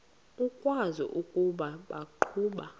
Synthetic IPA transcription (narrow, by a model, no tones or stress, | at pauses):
ukʼwazɔ̰ʔukʼuɓaɓaǃʰuːɓa